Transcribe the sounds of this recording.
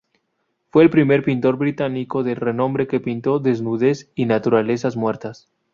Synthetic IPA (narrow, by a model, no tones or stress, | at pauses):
fwe̞ːlpɾime̞ɾpint̪o̞ɾβɾit̪aniko̞ðe̞lre̞nõ̞mbɾe̞ke̞pint̪o̞ðe̞znuðe̞sinat̪uɾale̞sazmwe̞ɾt̪as